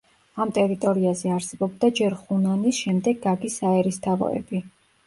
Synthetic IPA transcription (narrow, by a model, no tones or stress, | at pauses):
amt̪ʼɛɾit̪ʼɔɾiazɛaɾsɛbɔbd̪ad͡ʒɛɾχunanisʃɛmd̪ɛɡːaɡisaɛɾist̪ʰavɔ̰ɛ̰bi